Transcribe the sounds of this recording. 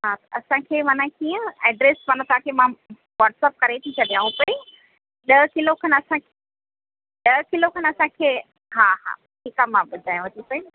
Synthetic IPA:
ɦat̪ɐɐsãkʰeːmanãkijə̃ɛːɖɾeːsmanãt̪ʰakʰemã | ʋaːʈsap̚kɐɾet̪ʰit͡ɕɐɗijãːɦũpɐi | ɗɐɦkɪlokʰɐnɐsãkʰe | ɗɐkɪlokʰɐnɐsãkʰeː | ɦaɦa̰ | ʈʰikamãɓʊd̪ʱaːjũʋɐt̪isɐi

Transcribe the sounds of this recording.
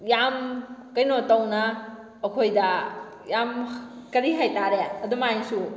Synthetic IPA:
jamkɐjnotɐwnɐː | kʰojdɐ | jamkɐɾiɦajtaɾeɐdumajsu

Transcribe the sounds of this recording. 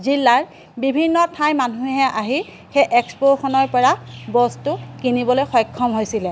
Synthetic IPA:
zilːaɹ | bibʱinːɔtʰajmanuɦɛʔaɦi | xejʔɛkspoxɔnɔɹpɔɹabɔstʊkinibɔlojxɔjkʰːɔmɦojsilɛ

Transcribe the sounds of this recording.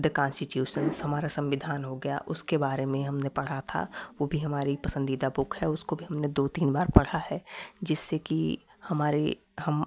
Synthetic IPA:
d̪əkãːnsʈɪʈjuːʃənshɐmaːɾasɐ̃mʋɪd̪ʱaːnɦoɡɐja̰ʔʊskebaːɾemẽɦɐmnepɐɽ̤at̪ʰa̰ʋoːbʱiɦɐmaːɾipɐsə̃nd̪iːd̪abʊkʰhɛʊskobʱiɦɐmned̪oːt̪iːnbaːɾpɐɽ̤aɦɛd͡ʒɪsːeki | hɐmaːɾe | hɐm

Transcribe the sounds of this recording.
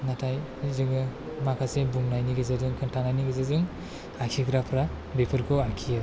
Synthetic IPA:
natʰaj | zɯɡɯ | makʰasebuŋnajniɡɯzadɯŋkʰɯntʰanajniɡɯzazɯŋ | akʰikɾapʰɾa | bepʰɯɾkʰɔakʰija

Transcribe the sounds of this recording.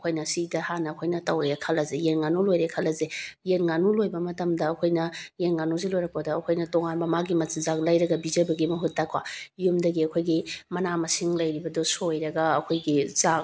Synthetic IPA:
kʰojnɐsidɐhanɐɐkʰojnɐtɐwɾekʰɐlɐzejenŋanulojɾekʰɐlɐzejenŋanulojbɐmɐtɐmdɐːkʰojnɐjenŋanuzelojɾɐk̚pɐdɐːkʰojnɐtoŋanbɐmaɡimɐtsizaklɐjɾɐɡɐbizɐbɐɡimɐɦutːakwajumdɐɡiɐkʰojɡimɐnamɐsiŋlɐjɾibɐdosojɾɐɡɐɐkʰojɡiza

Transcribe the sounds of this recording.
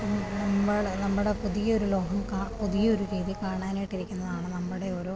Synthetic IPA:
mnɐmːɐɭnɐmːuɽe̞puðijɐoɾulo̞ːɦɐmkaːpuðijɐoɾukeːðikaːɳaːnijʈːiɾikʲːunːɐðaːɳɨnɐmːuɽe̞oːɾo̞ː

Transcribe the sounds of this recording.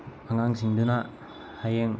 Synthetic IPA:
aŋaŋsʰiŋduna | hajeŋ

